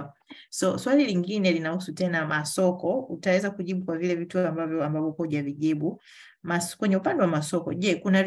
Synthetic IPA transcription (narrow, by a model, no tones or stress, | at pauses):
sɔswaliliŋɡinɛlinahusutɛnamasɔkɔutawɛzakuʄiɓukwavilɛvituambavjɔambavɔkɔʄaviʄiɓu | maskwɛɲɛupandɛwamasɔkɔʄɛkunav